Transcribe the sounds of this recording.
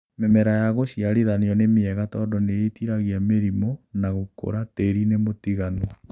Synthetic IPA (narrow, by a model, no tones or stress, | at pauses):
mɛmɛɾajaɣoɕiaɾiðaneɔnemeɛɣatɔːdɔneetiɾaɣiameɾimonaɣoko̰ɾateɾinemotiɣano